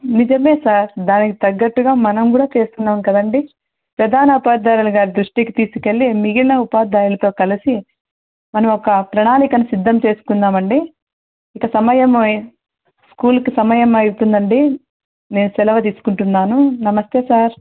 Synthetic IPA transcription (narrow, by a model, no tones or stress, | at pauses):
nid͡ʒɐme̞ːsaːɾd̪aːnikit̪ɐɡːɐʈːuɡaːmɐnɐmkuːɽaːt͡ʃe̞ːst̪unːaːmkɐd̪ɐɳɖi | pɾɐd̪ʱaːnɐupaːd̪aːɾulɐɡaːɾid̪ɾuʂʈikit̪iːsu̥ke̞ɭːimiɡilnɐupaːd̪aːjulɐt̪o̞ːkɐlisi | mɐnɐmɔkɐpɾɐɳaːlikɐnusid̪ʱːɐmt͡ʃe̞ːsu̥kunːaːmɐɳɖiː | kɐsɐmɐjɐm | skuːlkisɐmɐjɐmɐjut̪und̪ɐɳɖi | ne̞ːnusɛlɐʋɐt̪̬iːsu̥kuɳʈunːaːnunɐmɐst̪e̞ːsaːɾ